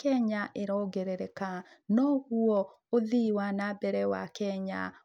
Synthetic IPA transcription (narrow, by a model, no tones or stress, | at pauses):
kɛɲaʔeɾɔɡeɾeɾɛkanɔɣuɔ | oðiwanabɛɾɛwa̰kɛɲa̰